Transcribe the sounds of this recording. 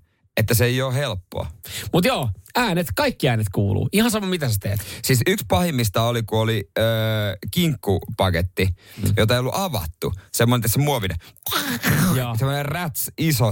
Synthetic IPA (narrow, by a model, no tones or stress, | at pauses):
et̪ːæseejoːhelpːo̰ɑmut̪joːæːnet̪kɑikːiæːnet̪kuːlṵːihɑnsɑmɑmit̪æset̪ḛːt̪siːsykspɑhimːist̪ɑolikuoliəːkiŋkːupɑket̪ːijot̪ɑeijolːuʔɑʋɑ̰t̪ːusemːonent̪ːˑæt̪semuoʋinḛ | jɑːsemːˑonerræt̪siso